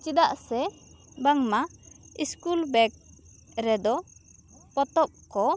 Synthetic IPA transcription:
t͡ʃid̪aʔsɛ | baŋmaiskulbɛk̚ | ɾɛd̪ɔ | pɔt̪ɔp̚kɔ

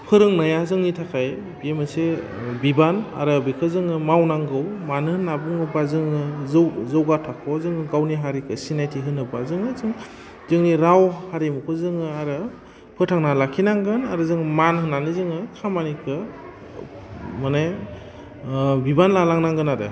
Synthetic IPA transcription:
pʰɯɾɯŋnajazɯŋnitʰakʰaj | biemɯse | bibana̰ɾɯbikʰɯzɯŋɯmawnaŋɡɯwmanɯhɯnːabɯŋɯbazɯŋɯzɯwzɯwɡatʰakʰɔzɯŋɯɡawniɦaɾikʰɯsinajtʰiɦɯnɯbazɯŋɯzɯŋ | zɯŋniɾawhaɾimukʰɯzɯŋɯaɾɯ | pʰɯtʰaŋnalakʰinaŋɡɯnaɾɯzɯŋmanhɯnanizɯŋɯkʰamanikʰɯ | mana | bibanlalaŋnaŋɡɯnadɯ̰

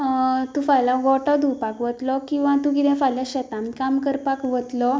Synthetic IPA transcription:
t̪ũfajlãɡɔʈɔd̪upakʋət̪lɔkĩw̃ʋãt̪ũkid̪ɛ̃fajljaɕət̪ãmkamkəɾpakʋət̪lɔ

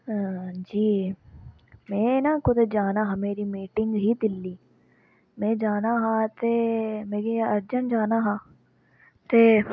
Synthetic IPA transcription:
d͡ʒiː | mẽːnakʊd̪d͡ʒaːnaɦɐmeːɾimiːʈɪŋɡɦid̪ɪlːiː | mẽːd͡ʒaːnaɦãt̪emeːɡeɐɾd͡ʒənd͡ʒaːnaɦãː | t̪eː

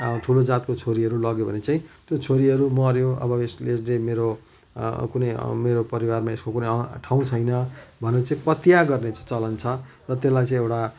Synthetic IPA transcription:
ʈʰulod͡zat̪̚kot͡sʰoɾiɦʌɾulʌɡjobʱʌnet͡saĩt̪jot͡sʰoɾiɦʌɾumʌɾjõʔʌ̰bʌesleslemeɾo | kunʌjmeɾopʌɾiwarmaeskokunʌjʌʈʰawũt͡sʰʌjnʌbʱʌnerʌt͡saĩpʌt̪jaɡʌrnet͡sʌĩt͡sʌlʌnt͡sʰʌ | rʌt̪elajt͡sʌ̃ĩewʈa

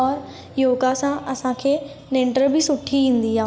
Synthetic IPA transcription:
ɔːɾ | joːɡasãɐsãkʰeː | nẽːɳʈəɾbʱisʊʈʰːiĩːnd̪iːɦãː

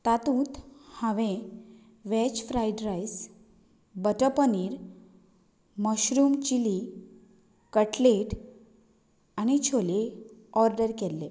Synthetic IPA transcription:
t̪at̪ũːt̪hãʋẽ | ʋɛt͡ɕfɾajɖɾajs | bəʈəpəniːɾ | məɕɾumt͡ɕili | kəʈleʈ | añit͡ɕʰoleɔɾɖəɾkelːe

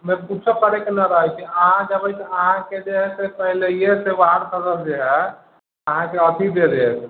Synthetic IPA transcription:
meɾkut͡ʃʰsəkəɾekenaɾəɦət͡ʃʰiəɦãd͡ʒəbɛt͡ʃʰəɦãked͡ʒeɦɛsepəɦilejesebaɦəɾkəɡəld͡ʒeɦɛ | əɦãkeət̪ʰid̪eɾe

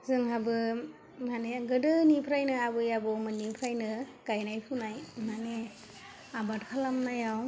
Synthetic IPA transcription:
zɯŋɦabɯ | maneɡɯdɯnipʰɾajnɯabɯjabɔmɯnipʰɾajnɯɡ̥ajnajpʰunajmane | abatkʰalamnajaw

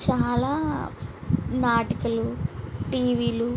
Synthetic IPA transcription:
t͡ʃaːlaː | naːʈikɐluʈiːʋiːlu

